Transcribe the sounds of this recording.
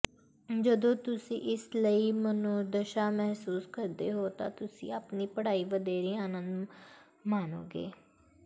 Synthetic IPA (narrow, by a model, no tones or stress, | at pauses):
d͡ʒəd̪õːt̪ʊsḭ̃ːʔɪsləiːmənũːd̪əʃaːmɛɦsuːskəɾd̪eːɦoːt̪ã̰ːt̪ʊsḭ̃ːaːpniːpəɽaːiːʋəd̪eːɾĩːaːnə̃nd̪ | maːno̰ːɡḛː